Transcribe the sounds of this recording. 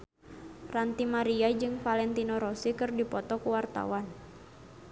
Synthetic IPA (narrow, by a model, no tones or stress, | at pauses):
rant̪imaɾiad͡ʒɨŋfalɛnt̪inɔɾɔsikɨrdipɔt̪ɔkuwart̪a̰wan